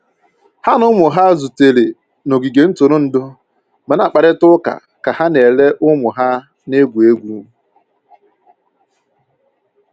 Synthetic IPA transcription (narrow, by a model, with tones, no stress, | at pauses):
ha˦nʊ˦mʊ˨ɦa˦zu˨te˨le˨ | no˨ɡi˨ɡe˨n̩˦to˨ɾʊ˦n̩˨dʊ˦ | ma˨na˨k͡pa˨ɾɪ˦tʊ˦ka̰˨ | ka˨ha˦ne˨le˦ʔʊ˦mʊ˨ɦa˦ | ne˦ɡʷu˨e˦ɡʷu˦˨